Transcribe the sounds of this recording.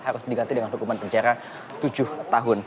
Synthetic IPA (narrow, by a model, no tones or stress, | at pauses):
haɾʊsdiɡant̪idəŋanɦukumanpəɲd͡ʒaɾa | t̪ud͡ʒʊht̪aɦʊn